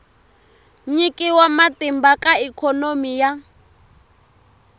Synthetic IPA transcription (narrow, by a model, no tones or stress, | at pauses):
ɲikʼiwamatimbakʼaikʰɔnomija